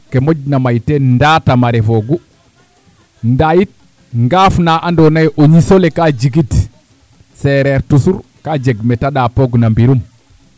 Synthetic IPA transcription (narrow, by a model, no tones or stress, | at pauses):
kemoɟnamajtendatamaɾefoɡu | ndajit̚ | ŋɡafnaʔandonajʔoɲisolekad͡ʒiɡit | seɾeɾtusuɾ | kad͡ʒeɡmetaɗapoɡnambiɾum